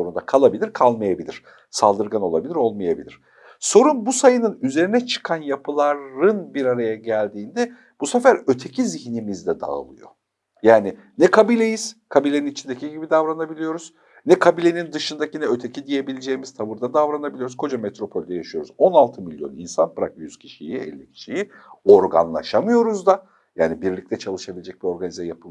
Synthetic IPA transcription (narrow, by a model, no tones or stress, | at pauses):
o̞ɾund̪akʰalˠabilʲiɾkʰalˠmajabilʲiɾ̥ | salˠd̪ɯɾɡano̞lˠa̰bilʲiɾo̞lˠmajabḭlʲiɾ̥ | so̞ɾunbusajɯnɯnyze̞ɾinɛt͡ʃʰɯ̥kʰanjapʰɯlˠaɾɯnbiɾaɾajaɟælʲd̪iːnd̪ɛ | b̥usɛfæɾø̞t̪ʰe̞cʰiziçnimizd̪ɛd̪a̰lˠɯjo̰ | jaːni | nɛkʰabilʲe̞jiz̥kʰabilʲeninit͡ʃʰind̪e̞cʰiɟibid̪avɾanabilʲijo̞ɾuz̥ | nɛkʰabilʲe̞nind̪ɯʃɯnd̪acinɛøt̪ʰe̞cʰid̪ije̞bilʲed͡ʒejimiz̥t̪ʰavɯɾd̪ad̪avɾanabilʲioɾuzkʰo̞d͡ʒamet̪ɾo̞pʰo̞lʲd̪ɛjaʃɯjo̞ɾuzo̞nalˠt̪ʰɯmilʲjo̞̰nḭnsanbɯɾa̰kjyz̥cʰi̥ʃḭjiɛ̰lʲːicʰi̥ʃiji | o̞ɾɡa̰nlˠa̰ʃamɯjo̞ɾuzd̪a | jaːnibiɾlʲic̚t̪ʰɛt͡ʃʰalˠɯʃabilʲed͡ʒɛc̚bio̞ɾɡanizajapʰɯm